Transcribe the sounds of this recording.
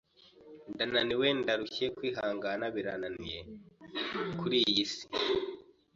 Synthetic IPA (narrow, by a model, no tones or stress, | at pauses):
ndananiwendaɾuçekwiːɦaːŋɡanaβiɾananije | kʰuɾijisi̥